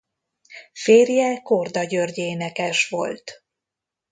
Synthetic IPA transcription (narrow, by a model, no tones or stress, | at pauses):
feːrjɛko̞rd̪ɒɟørɟeːnɛkɛʃʋo̞̰lt̪